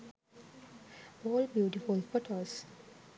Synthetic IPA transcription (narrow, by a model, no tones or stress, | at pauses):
ɔːlbjuʈifulfɔʈʰəs